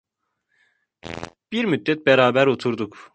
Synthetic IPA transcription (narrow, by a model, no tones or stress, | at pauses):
b̥iɾmyd̪̚ːɛt̪̚bɛɾaːbæɾot̪ʰuɾd̪uk